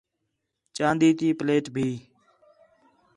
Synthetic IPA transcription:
t͡ʃãːnd̪iːt̪iːpleːʈbʱiː

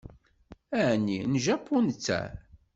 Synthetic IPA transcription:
æʕnːinʒæpʰːunt͡sːæ̰

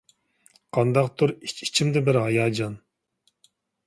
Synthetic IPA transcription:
qʰɑnd̪ɑqt̪ʰuɾit͡ʃit͡ʃʰimd̪ɛbɪɾhɑjɑːd͡ʒɑn

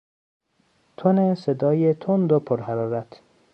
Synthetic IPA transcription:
t̪ʰonesed̪ɒːjet̪ʰond̪opʰoɾhæɾɒːɾæt̪ʰ

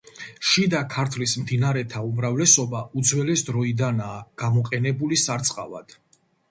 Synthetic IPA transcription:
ʃid̪akʰaɾt̪ʰlismd̪inaɾɛt̪ʰaumɾavlɛsɔbaud̪zwɛlɛsd̪ɾɔid̪anaːɡ̥amɔqʼɛnɛbulisaɾt̪sʼqʼa̰va̰d̪̥

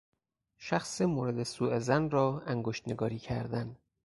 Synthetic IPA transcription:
ʃæxsemoːɾed̪esuːezænɾɒːæŋɡoʃt̪ne̞ɡɒːɾiːcʰæ̰ɾd̪æn

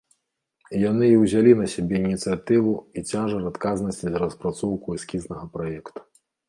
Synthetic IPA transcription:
janɨiwzʲalʲinɐsʲabʲɛinʲit̪sɨjat̪ɨvuit͡sʲaʐɐrat̪kaznɐsʲt͡sʲizɾɐspɾat̪sɔwkuɛskʲiznɐɣɐpɾajɛkt̪u̥

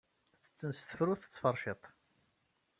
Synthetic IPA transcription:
θə̥t͡sːənst̪ə̥fɾuθə̥t͡sːfɑrˤʃet̪ˤ

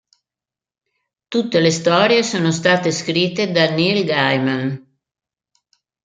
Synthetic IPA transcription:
t̪ut̪ːelest̪ɔːɾjesoːnost̪aːt̪eskɾit̪ːed̪anilɡajman

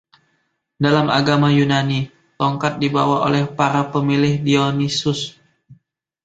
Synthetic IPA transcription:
dalama̰ɡamajunani | t̪ɔŋkat̪̚dibawao̰lɛhpaɾapəmilɪhdionisʊs

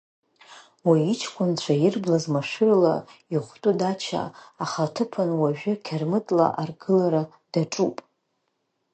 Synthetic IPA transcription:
wait͡ʃʰkʷʼʊnt͡ɕʷʰajɪrblazmaʂɨrla̰iχʷtʼudat͡ʃʰa̰ːχatʰɨpʰanwaʒᶣʊkʲʰarmɨtʼla̰ʔarɡɨlaɾa | d̥aʈ͡ʂʼupʼ

